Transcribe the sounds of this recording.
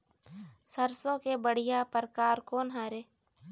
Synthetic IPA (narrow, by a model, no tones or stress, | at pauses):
səɾsõkebəɽ̤ɪjapəɾkaːɾkoːnɦaːɾeː